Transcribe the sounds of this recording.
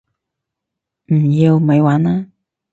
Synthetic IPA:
m̩˨˩jiː˧wmɐ˨˧jwaː˨˥naː˥

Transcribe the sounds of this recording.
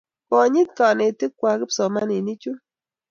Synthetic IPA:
kɔ˨ɲi˦t̚ka˨ne˨ti˦kːwa˨˦kɪ˦psɔ˨ma˦ne˨ni˦t͡ʃu˦

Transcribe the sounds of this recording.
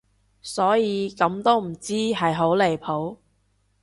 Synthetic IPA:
sɔː˨˥jiː˨˧kɐ˨˥mt̪o˥wm̩˨˩t͡siː˥ɦɐ˨jɦo˨˥wle˨˩jpʰo˨˥w

